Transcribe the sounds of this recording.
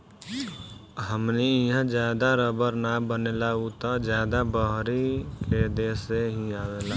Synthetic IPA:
ɦəmniɪɦãd͡ʒjaːd̪aɾəbəɾnabənelaut̪ad͡ʒjaːd̪abəɦɾiked̪eseɦĩaːweːlaː

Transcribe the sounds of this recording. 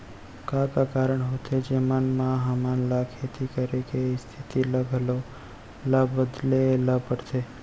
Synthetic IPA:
kãkakaɾəɳɦot̪ʰed͡ʒemanmãɦamanlakʰet̪ʰikəɾekeist̪ʰit̪iləɡʱəlo | labːəd̪leləbpəɽtʰe

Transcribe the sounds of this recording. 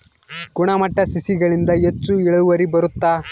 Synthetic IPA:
ɡuɳɐmɐʈːɐsisiɡɐɭind̪ɐet͡ʃːuiɭɐuʋɐɾibɐɾut̪ːaː

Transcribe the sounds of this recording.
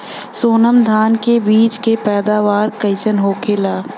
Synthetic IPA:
soːnəmd̪ʱaːnkebiːt͡ʃkepɛːd̪aːʋaːɾkɐɪsənɦoːkʰelaː

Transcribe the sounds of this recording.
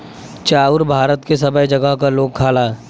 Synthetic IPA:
t͡ʃaːʊɾbʱaːɾət̪kesɐbəid͡ʒɐɡəɦkaloːɡ̚kʰaːlaː

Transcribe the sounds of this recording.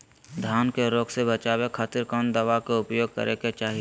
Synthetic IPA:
d̪ʱaːnkeɾoːksebət͡ʃaːwekʰaːt̪ɪɾkɔːnd̪əʋakeʊpjoːɡ̚kə̰ɾeket͡ʃaːɦie

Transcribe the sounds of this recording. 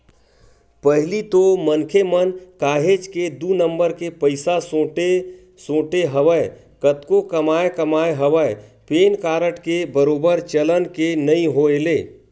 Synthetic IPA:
pəɦlit̪omənkʰemənkaːɦeːd͡ʒked̪unə̃mbəɾkepəɪsasoʈe | sõːʈeɦəʋəe | kət̪kokɐmaːekɐmaːeɦəʋəepeːnkaːɾəʈkebəɾoːbəɾt͡ʃələnkenɐĩɦoeleː

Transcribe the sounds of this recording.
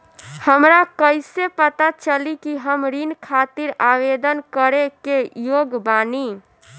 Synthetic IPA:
həmɾakəjsepət̪at͡ʃəlikiɦəmɾinkʰat̪iɾaβed̪ənkəɾekejoɡbani

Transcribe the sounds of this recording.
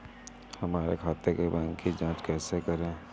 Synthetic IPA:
hɐmaːɾekʰaːt̪ekebãːŋkid͡ʒãːt͡ʃkɛːsekɐɾẽː

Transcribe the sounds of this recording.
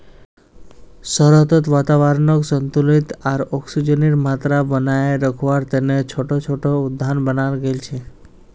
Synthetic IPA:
sɔɾɔt̪ɔt̪ʋat̪aʋaɾnɔksɔnt̪ulit̪aɾɔksud͡ʒɔniɾmat̪ɾabənajeɾəkʰɔʋaɾt̪enet͡ʃʰoʈot͡ʃʰoʈoud̪ʱːanbənaɾɡelt͡ʃʰe

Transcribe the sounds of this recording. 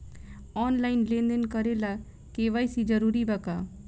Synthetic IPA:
ɔːnlaːɪnlẽːnd̪ənkəɾelaː | keːʋaːisid͡ʒəɾuːɾibəkaː

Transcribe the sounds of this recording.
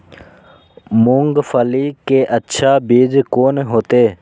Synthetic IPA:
mʊːŋɡfəliːkeːʔətːʃʰaːbiːd͡ʒkoːneɦoːt̪eː

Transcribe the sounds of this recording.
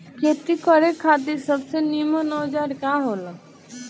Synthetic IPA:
kʰeːt̪ikəɾekʰaːt̪̬isəbsenimonɔːd͡ʒaːɾkaɦoːla

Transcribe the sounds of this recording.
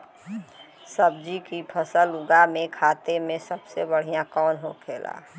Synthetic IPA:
səb̚d͡ʒikipʰəsəlʊɡamẽkʰaːt̪emẽsəbsebəɽ̤ijãkɔːnɦokʰeːlʔa̰

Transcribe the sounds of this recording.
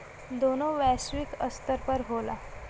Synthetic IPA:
d̪onoʋɛsʋikəst̪əɾpəɾɦola̰

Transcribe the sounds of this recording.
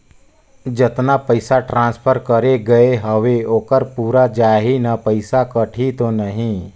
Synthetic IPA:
d͡ʒət̪napəɪsaʈɾãːnspʰəɾkəɾeɡəeɦəʋeoːkəɾpuːɾad͡ʒaːɦinapəɪsakəʈʰit̪onəɦĩ

